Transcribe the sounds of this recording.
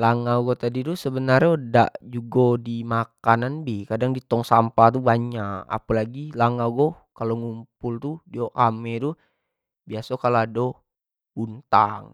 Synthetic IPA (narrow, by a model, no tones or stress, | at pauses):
laŋaɡɔt̪adit̪usəbənarɲda̰ʔd͡ʒuɡodimakananbikadaŋdit̪ɔŋsampat̪̬ubaɲaka̰palaɡilaŋaɡokaloŋumpult̪udiokamɛt̪u | biasakaloado | unt̪aŋ